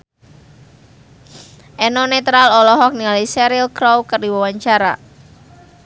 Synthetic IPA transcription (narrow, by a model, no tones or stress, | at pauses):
ʔɛnɔnet̪ɾalɔlɔɦɔk̚nialisɛɾilkɾowkərdiwawaɲt͡ʃaɾa̰